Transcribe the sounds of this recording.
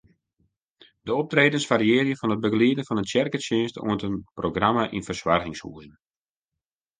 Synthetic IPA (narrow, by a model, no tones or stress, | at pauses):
dəɔp̚treːdənsʋariɪːrjəfɔnət̚bəɡliədənfɔnəntjɛrkəsɪːnstʰṵəntənproɡramaʔḭnfərswarɣɪŋshṵəjn